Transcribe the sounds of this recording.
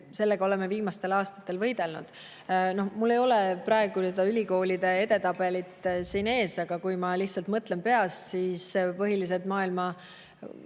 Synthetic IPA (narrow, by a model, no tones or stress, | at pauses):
se̞lːeɡ̥ɑo̞le̞meviːmɑst̪e̞lɑːst̪ɑ̥t̪ːˑe̞lvɤ̞jd̪̥e̞lnṵd̪̥ | no̞hmulːe̞jo̞leprɑe̞ɡ̥use̞d̪ɑylʲiko̞ːlid̪e̞e̞t̪e̞t̪ɑbe̞lit̪ːˑsiːne̞ːsɑɡ̥ɑkujmɑliht̪sɑlt̪mɤt̪ˑle̞mpe̞ɑst̪siːspɤɦilis̬et̪mɑːilmɑ